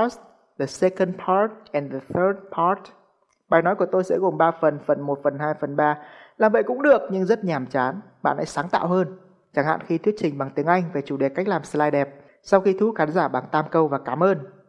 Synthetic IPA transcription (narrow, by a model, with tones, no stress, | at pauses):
ə˦˥st̚ | ðə˨˩sɛ˧kə˧npʰa˦˥t̚ʔɛ˨˩nðə˨θəː˦˥d̚pʰa˦˥t̚ | ɓaː˨˩jnɔ˨˦jku˧˩ət̪o˧jsɛ̰˧˥ɣo˨˩mɓaː˧fə˨˩nfə˨˩nmo˨˩t̚fə˨˩nɦaː˧jfə˨˩nɓaː˧laː˨˩mvə̰˧˨jkʊ̰˧˥ŋ͡mɗɨ˨˩ək̚ɲɨ˧ŋzə˦˥t̚ɲaː˨˩mt͡ɕaː˨˦n | ɓa̰ː˧˨nʔa̰ː˧˥jsaː˨˦ŋt̪a̰ː˧˨wɦəː˧n | t͡ɕa˧˩ŋha̰ː˧˨nxi˧t̪ʰwət̚t͡ɕï˨˩ŋ̟ɓa˨˩ŋt̪i˨˦əŋʔa˧jŋ̟ve˨˩t͡ɕu˧˩ɗe˨˩ka˦˥k̚laː˨˩mslaː˧jɗɛ˨˩p̚ | sa˧wxi˧t̪ʰu˨˦xaː˨˦nzaː˧˩ɓaː˨˩ŋt̪aː˧mkə˧wvaː˨˩kaː˨˦mʔəː˧n